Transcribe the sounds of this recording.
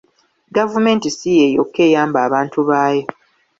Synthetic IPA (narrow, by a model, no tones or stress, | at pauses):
ɡavume̞ːntisijejokːe̞ːjaːmbaːβaːntuβaːjo